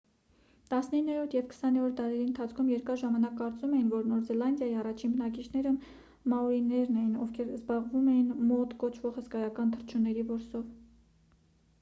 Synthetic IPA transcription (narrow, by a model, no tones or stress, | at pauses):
t̪ɑsnəinːɛɾɔɾt̪ʰjɛvkʰə̥sɑnɛɔɾd̪ɑɾɛɾiənt̪ʰɑt͡sʰkʰumjɛɾkɑɾʒɑmɑnɑkːɑɾt͡sumɛjinvɔɾnɔɾzɛlɑnd̪jɑjiɑrɑt͡ʃʰinbənɑkit͡ʃʰnɛɾə | mɑɔɾinɛɾnɛjinɔvkʰɛɾzbɑʁvumɛjinmɔt̪kɔt͡ʃʰvɔʁhəskɑjɑkɑnt̪ʰəɾt͡ʃʰunːɛɾivɔɾsɔv